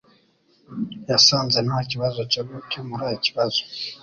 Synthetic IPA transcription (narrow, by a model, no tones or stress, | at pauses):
jasaːnzenaaciβazocoβucomuɾaiciβazo